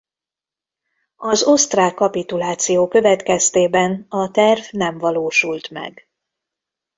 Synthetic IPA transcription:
ɒzo̞st̪raːkːɒpit̪ulaːt̪sijoːkø̞vɛt̪kɛst̪eːbɛnɒt̪ɛrvnɛɱvɒloːʃult̪mɛ̰ɡ

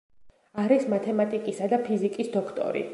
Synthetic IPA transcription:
aɾismat̪ʰɛmat̪ʼikʼisad̪apʰizikʼisd̪ɔkʰt̪ʼɔ̰ɾḭ

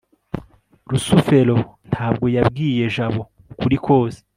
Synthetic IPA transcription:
ɾusufe̞ɾo̞n̥tʰaːbɡo̞jabɡiːje̞ʒaβo̞ | kuɾikʰo̞ːze̥

